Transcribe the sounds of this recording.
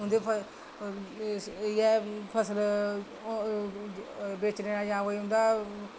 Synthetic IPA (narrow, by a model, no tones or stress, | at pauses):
ɦʊ̃nd̪eːpʰə | jɛːpʰəsəl | beːt͡ʃneːaːjãːoːiːɦʊ̃nd̪aː